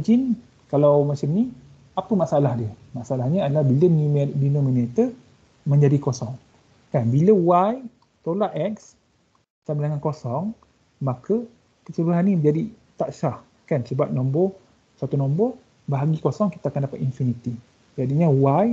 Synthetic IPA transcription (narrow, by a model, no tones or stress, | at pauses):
d͡ʒin | kalawmat͡ʃamni | apəmaʔsaalahdiə | maʔsaalahɲəadalahbilənmdinɔminet̪ə | mə̃ɲd͡ʒadikosɔŋ | kanbiləwaj | t̪olaʔɛks | t̪ambilaŋankosɔŋ | makə | kəsəluɦanːid͡ʒadit̪aʔsah | kansəbap̚nɔmbɔh | swat̪unɔmbɔh | baɦaɡikosɔŋki̥t̪aakandapat̪infinit̪i | d͡ʒadiɲə̃waj